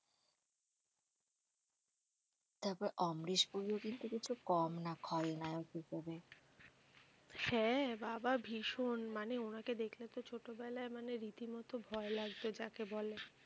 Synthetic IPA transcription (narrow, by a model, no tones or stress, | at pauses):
t̪ɔbɾeʔɔmɾiʃbuɾiokint̪ukit͡ɕʰukɔmnakʰɔɾenaeokikɔbe | hɛ̃bababʱiʃonmaneonaked̪ekʰlet̪ot͡ɕʰoʈobɛlaemaneɾit̪imɔt̪obʱɔelaɡt̪od͡ʑakebɔle